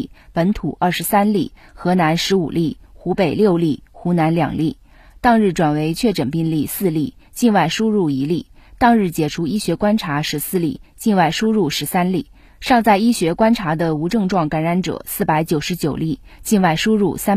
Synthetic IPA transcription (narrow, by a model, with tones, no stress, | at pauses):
pə˧˥nt̪ʰu˨˩ʔə˥˩ʂɻ̩˧˥sa˥nli˥˩xɤ˧˥na˧˥nʂɻ̩˧˥u˨˩li˥˩xu˧˥pe˨˩ɪljo˥˩˧ʊli˥˩xu˧˥na˧˥nljɑ̰˨˩ŋli˥˩ | t̪ɑ˥˧ŋɻ̩˥˩ʈ͡ʂwa˨˩nwe˧˥ɪt͡ɕʰɥɛ˥˩ʈ͡ʂə˨˩npi˥˧ŋli˥˧˩sɹ̩˥˧li˥˩ | t͡ɕi˥˧nwa˥˩ɪʂu˥ɻu˥˩i˧˥li˥˩t̪ɑ˥˧ŋɻɻ̩˥˩t͡ɕjɛ˨˩ʈ͡ʂʰu˥i˥ɕɥɛ˧˥kwa˥nʈ͡ʂʰa˧˥ʂɻ̩˧˥sɹ̩˥˧li˥˩t͡ɕi˥˧nwa˥˩ɪʂu˥ɻu˥˩ʂɻ̩˧˥sa˥nli˥˩ | ʂɑ˥˧ŋt͡sa˥˩ɪi˥ɕɥɛ˧˥kwa˥nʈ͡ʂʰa˧˥d̪ə˧u˧˥ʈ͡ʂɤ˥˧ŋʈ͡ʂwɑ˥˩ŋka˧˥nɻa˧˥nʈ͡ʂɤ̰˨˩sɹ̩˥˩pa˧˥ɪt͡ɕjo˨˩ʊʂɻ̩˧˥t͡ɕjo˨˩ʊli˥˧ | t͡ɕi˥˧nwa˥˩ɪʂu˥ɻu˥˩sa˥